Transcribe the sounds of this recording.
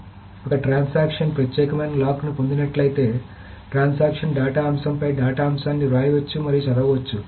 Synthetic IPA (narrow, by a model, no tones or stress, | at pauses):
ɔkɐʈɾaːnsaːkʂɐnpɾɐt̪jɛːkɐmɐjnɐlaːkunupond̪inɐʈlɐjit̪e̞ː | ʈɾaːnsaːkʂɐnɖaːʈaːɐmsɐmpɐjɖaːʈaːɐmsaːnːiɾaːjʋɐt͡ʃːumɐɾijut͡ʃɐlɐɡɐʋɐt͡ʃːu